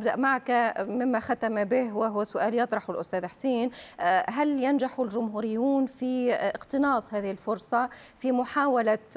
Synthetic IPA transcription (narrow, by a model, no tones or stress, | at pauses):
bd̪aʔmaʕkamɪmːaxat̪amabɪhwɪɦʊwːasʊʔaːljɑt̪ˤɾˤɑħɪlʔʊst̪æːðħsiːnɦaljanʒaħʊlʒʊmɦuːɾɪjːuːnfiɪqt̪ɨnɑːsˤhaːðɪhɪlfʊɾsˤɑ | fimʊħaːwala